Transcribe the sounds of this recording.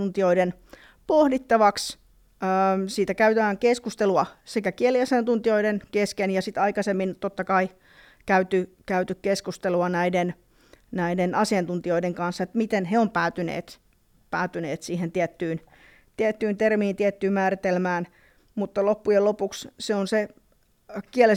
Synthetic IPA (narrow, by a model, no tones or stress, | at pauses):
unt̪ioiden | pohdit̪ːɑʋɑks | əmsiːt̪ækæyt̪æːŋkeskust̪eluɑsekækieliɑsiɑnt̪unt̪ioidenkeskenjɑsit̪ɑikɑsemːint̪ot̪ːɑkɑi | kæyt̪ykæyt̪ykkeskust̪eluɑnæiden | næidenɑsiɑnt̪unt̪ioideŋkɑnsːet̪mit̪enheompæːt̪ynḛːt̪ | pæːt̪yneːt̪siːhent̪iæt̪ːyːn | t̪iæt̪ːyːnt̪ermiːnt̪iæt̪ːyːmæːrit̪elmæːn | mut̪ːɑlopːujelopuksseonse | kiæle